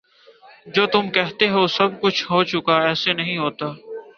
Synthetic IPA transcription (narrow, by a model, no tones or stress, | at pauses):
d͡ʒoːt̪ʊmkɛɦt̪eɦosɐb̚kʊt͡ʃʰɦoːt͡ʃʊkaɛːsenɐɦĩɦoːt̪aː